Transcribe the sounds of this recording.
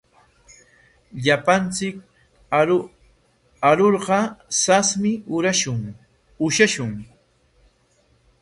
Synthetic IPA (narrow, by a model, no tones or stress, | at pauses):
ʎapant͡sɪk̚ | aɾoɾɢɑsasmɪʊɾaʃʊŋ | ʊʃaʃʊŋ